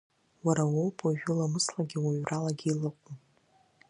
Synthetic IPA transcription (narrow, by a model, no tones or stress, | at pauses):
waɾawowpʰʼaʒᶣʊlamɨslaɡʲɪwaɥrʔalaɡʲilaqʷʼum